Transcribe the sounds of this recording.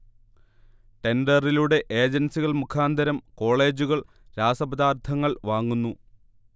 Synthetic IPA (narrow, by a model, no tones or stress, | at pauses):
ʈe̞nɖɐriluɽe̞ʔeːd͡ʑɐnsiɣɐɭmukʰaːnd̪ʱɐɾɐmko̞ːɭe̞ːd͡ʑuɣɐɭ | ɾaːsɐbɐd̪aːrt̪ʰɐŋːɐɭʋaːŋːunːu